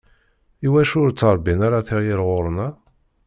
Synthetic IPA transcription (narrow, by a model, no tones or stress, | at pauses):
iwæʃʊɾt͡sːɑɾˤbinaɾaθiʁjiɾʁʊɾˤnæ